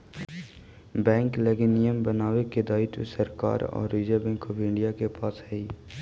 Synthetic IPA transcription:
bɛ̃ːŋkleɡɪnɪjəmbənaːweked̪aːit̪səɾka̰ːɾɔ̰ːɾːiːd͡ʒabɛ̃ːŋkɔːfɪ̃ɳɖijakepaːsɦɛiː

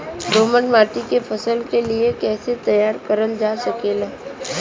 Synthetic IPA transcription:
ɾoːmənmaːʈikepʰɐsəlkeliekɛːset̪ɐjaːɾkəɾənd͡ʒaːsɐkeːlaː

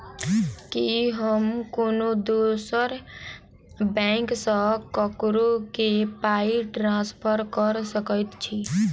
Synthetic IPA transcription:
kiɦəmkonod̪osəɾ | bɛ̃ɪksə̃kəkɾokepaiʈɾãspʰəɾkəɾsəkəjt̪t͡ʃʰi

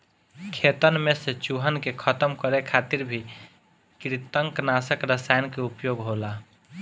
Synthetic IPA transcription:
kʰet̪ənmeset͡ʃuɦənkekʰət̪əmkəɾekʰat̪iɾbʱi | kɾit̪əŋknasəkɾəsajnkeupjoɡɦola

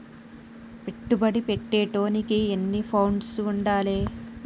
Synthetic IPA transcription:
pe̞ʈːubɐɽipeʈːeːʈoːnikienːipʰɐwɳɖsuɳɖaːleː

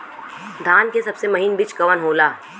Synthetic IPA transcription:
d̪ʱaːnkesɐbsemɐɦiːnbɪt͡ʃkɐʋənɦoːlaː

